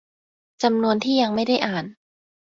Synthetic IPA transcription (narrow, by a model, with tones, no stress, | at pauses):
t͡ɕa˧mnu˧ənt̪ʰiː˥˩ja˧ŋma˥˩jda˥˩jʔaː˨˩n